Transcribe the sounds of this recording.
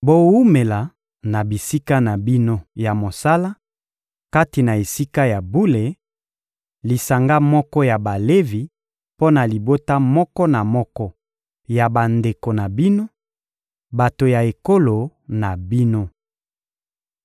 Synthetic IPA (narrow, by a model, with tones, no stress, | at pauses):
bo˨wu˦me˨la˨ | na˨bi˨si˦ka˦na˨bi˦no˦ja˨mo˨sa˦la˦ | ka˦ti˨na˨e˨si˦ka˦ja˨bu˦le˨ | li˨sa˨ŋɡa˦mɔ˦kɔ˦ja˨ba˨le˦vi˨ | po˦na˨li˨bo˦ta˦mɔ˦kɔ˦na˨mɔ˦kɔ˦ | ja˨ba˨nde˨ko˨na˨bi˦no˦ | ba˨to˨ja˨e˨ko˦lo˨na˨bi˦no˦